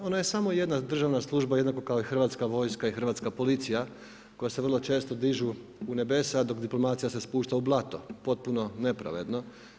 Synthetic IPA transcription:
o̞naje̞samoje̞d̪nad̪r̩ʒaʋnaslˠuʒbaje̞d̪nako̞kaoixr̩ʋaːt̪skaʋo̞jskaixr̩ʋaːt̪skapo̞lit̪sija | ko̞jase̞ʋr̩lˠo̞t͡ʃe̞ːst̪o̞d̪iʒu | une̞be̞sad̪o̞kd̪iplˠo̞maːt̪sijase̞spuːʃt̪aublˠat̪o̞po̞t̪̚puno̞ne̞pɾa̰ʋe̞d̪no

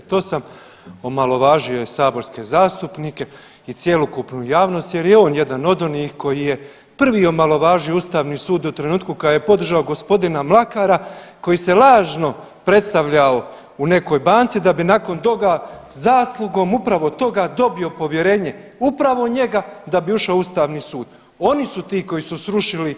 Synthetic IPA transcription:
t̪o̞ːsam | omalo̞ʋaːʒio̞saːbo̞ɾske̞zaːst̪upnike̞ | it̪sje̞lˠokupnujaːʋno̞st̪je̞ɾjeo̞ːnje̞d̪ano̞d̪o̞nixko̞jije̞ | pr̩ʋiːo̞malo̞ʋaːʒioust̪aːʋniːsuːd̪ut̪ɾe̞nuːt̪kukad̪ajepo̞d̪r̩ʒaoɡo̞spo̞d̪inamlˠakaːɾako̞jise̞laːʒno̞ | pɾe̞t̪st̪aʋʎao | une̞ko̞jbaːnt̪sid̪abinako̞nt̪o̞ɡazaːslˠuɡo̞ːmupɾaʋo̞t̪o̞ɡad̪o̞bio̞po̞ʋje̞ɾe̞ːɲe̞upɾaʋo̞ɲe̞ɡad̪abiuʃaoust̪aːʋniːsuːd̪̥ | o̞nisut̪iːko̞jisusɾuʃili

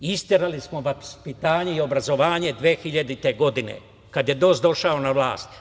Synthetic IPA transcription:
ist̪jeɾalismo̞ʋaspit̪aːɲeio̞bɾazo̞ʋaːɲe̞d̪ʋeːxiʎad̪it̪e̞ɡo̞d̪inḛ | kad̪je̞d̪o̞ːsd̪o̞ʃao̞naʋlaːst̪

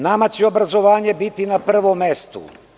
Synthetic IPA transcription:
namat͡ɕeo̞bɾazo̞ʋaːɲe̞bit̪inapr̩ʋomːest̪ṵ

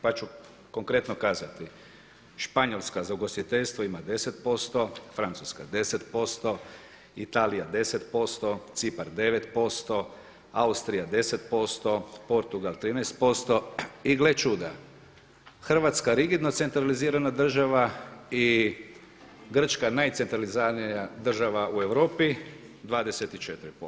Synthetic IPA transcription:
pat͡ʃu | ko̞ŋkɾe̞t̪nokaːzat̪i | ʃpaɲo̞lˠskazauɡo̞st̪it̪eʎʲst̪ʋoimad̪e̞set̪po̞st̪o̞fɾant̪suska̰d̪e̞set̪po̞st̪o̞ | it̪alijad̪e̞set̪po̞st̪o̞t̪sipaɾd̪e̞ʋet̪po̞st̪o̞ | aust̪ɾijad̪e̞se̞t̪po̞st̪o̞po̞ɾt̪uɡalt̪ɾiːnɛjst̪po̞st̪o̞iɡlet͡ʃud̪a | xr̩ʋat̪skaɾiɡid̪no̞t̪se̞nt̪ɾaliziːɾanad̪r̩ʒaʋai | ɡr̩t͡ʃkanajt̪se̞nt̪ɾalizanijad̪r̩ʒaʋaʔue̞ʋɾo̞ːpi | d̪ʋaːd̪e̞set̪it͡ʃe̞t̪ɾipo

